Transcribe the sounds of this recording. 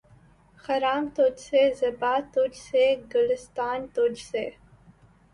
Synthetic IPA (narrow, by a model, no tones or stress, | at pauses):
xɐɾaːmt̪oːd͡ʒsezɐbaːt̪od͡ʒseɡʊlɪst̪aːnt̪od͡ʒse